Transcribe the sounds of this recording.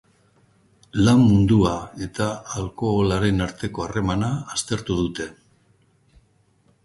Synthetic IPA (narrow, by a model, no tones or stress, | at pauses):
lamːund̪uae̞t̪aːlko̞ːlaɾe̞naɾt̪e̞ko̞are̞manaːst̪e̞ɾt̪uðut̪e̞